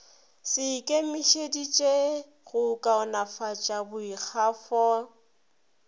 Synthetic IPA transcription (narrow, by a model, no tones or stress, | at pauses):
sɪkʼemɪʃedit͡ʃʼe | ɣʊkʼaʊnafat͡ʃʼabʊik͡xʰafɔ